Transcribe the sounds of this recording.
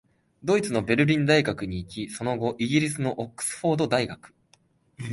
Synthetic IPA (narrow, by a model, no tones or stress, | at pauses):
d̪o̞it͡sɨno̞be̞ɾɯ̟ɾʲĩnd̪aiɡakɯ̟ɲ̟iːkʲiso̞no̞ɡo̞ʔiɡʲiɾʲisɨno̞ʔokːɯ̥sɨ̥ɸo̞ːd̪o̞d̪aiɡakɯ̥